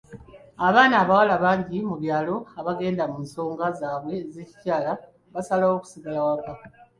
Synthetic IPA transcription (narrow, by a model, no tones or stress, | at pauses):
aβaːnaːβawalaβaːɲɟimuβjaːlo̞aβaɡe̞ːndamuːnso̞ːŋɡazaːβwe̞zeci̥caːla | βasalao̞ːku̥siɡalawaka